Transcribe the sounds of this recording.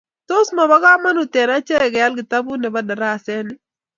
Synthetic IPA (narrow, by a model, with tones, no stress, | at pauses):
to˦sma˨ba˦ɡa˦ma˦no˨tɛ˨na˦t͡ʃɛ˦˨ɡɪ˨ja˦lɡɪ˨t̪a˦bu˦nɛ˨ba˦da˨ɾa˦˨sɛ˦nɪ˦